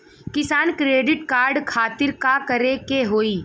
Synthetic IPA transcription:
kɪsaːnkɾeːɖɪʈkaːɾɖkʰaːt̪ɪɾkakɐɾekeɦoːiː

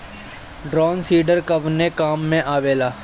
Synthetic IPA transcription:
ɖɾɔːnsiːɖəɾkəbnekaːmːẽʔaːʋeːlaː

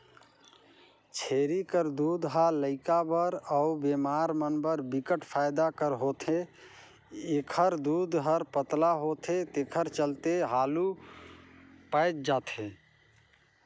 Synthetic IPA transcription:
t͡ʃʰeɾikəɾd̪ud̪ɦaləɪkabəɾəubemaɾmənbəɾbikəʈpʰajd̪akəɾɦot̪ʰe | ekʰəɾd̪ud̪ɦəɾpət̪laɦot̪ʰet̪ekʰəɾt͡ʃəlt̪eɦalu | pajt̪̚d͡ʒat̪ʰɦẽ

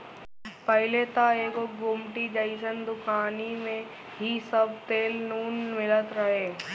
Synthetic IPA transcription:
pəɦlet̪aeːkokɡʊmʈid͡ʒəɪsənd̪ʊkaːnimẽ | ɦisɐb̚t̪eːlnuːnmɪlət̪ɾɐɦeː

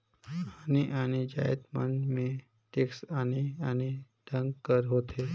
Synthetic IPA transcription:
aniʔañid͡ʑa̰jḛt̪mə̰nme | ʈeksaniani | ɖʱəŋɡkəɾɦot̪ʰe

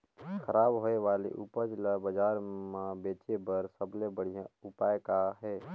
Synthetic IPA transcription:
kʰəɾaːbɦoeʋaːlḛʔupəd͡ʒləbəd͡ʒaːɾmabeːt͡ʃebəɾsəblebəɽ̤ijaʊpaːjkaɦɛː

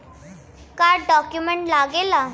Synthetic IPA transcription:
kajɖɔkjumeɳʈlaɡela

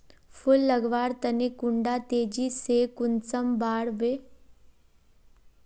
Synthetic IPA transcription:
fʰʊlːəɡʋaːɽt̪ɐnekʊɳɖat̪eːd͡ʒiseːkʊnt͡səmbaːɽʋe

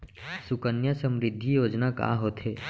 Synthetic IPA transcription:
sʊkənjəsə̃mɾɪd̪ʱːijoːd͡ʒnaka̰ːɦoːt̪ɦeː

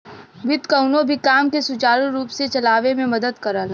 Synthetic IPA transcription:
ʋɪt̪kɐʊnõbʱikaːmkesʊt͡ʃaːɾuɾuːpset͡ʃɐlaːʋemẽmɐd̪əd̪kɐɾalaː

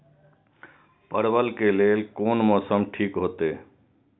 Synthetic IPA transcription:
pəɾbəlkeːleːlkoːnmɔːsəmʈʰiːkɦoːt̪eː

